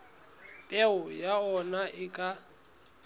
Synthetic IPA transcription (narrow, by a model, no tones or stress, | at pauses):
pʼɛʊjaɔnaɪkʼa